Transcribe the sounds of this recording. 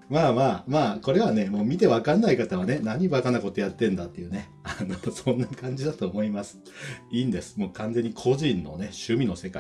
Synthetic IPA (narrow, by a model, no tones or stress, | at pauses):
maːmaːmaːko̞ɾe̞β̞ane̞mo̞ːmʲit̪e̞βakanːaikat̪aβane̞naɲ̟ibakanako̞t̪o̞jat̪ːẽ̞nd̪at̪ːe̞jɯ̟ːne̞ | anosõ̞nːakãɲ̟d͡ʑid̪at̪o̞ːmo̞imasɨ̥ | iːnd̪e̞sɨ̥mo̞ːkãnd͡ze̞ɲ̟ːikʰo̞ʑĩnːo̞ne̞ɕɨmʲino̞se̞ka̰i